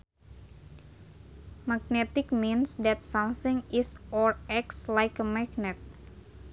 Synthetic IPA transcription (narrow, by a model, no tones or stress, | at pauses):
maɡ̚nɛt̪ɪk̚minsdɛt̪̚sɔmθɪ̃ŋɪsɔɹɛk̚tslajkəmaɡnɛt̪̚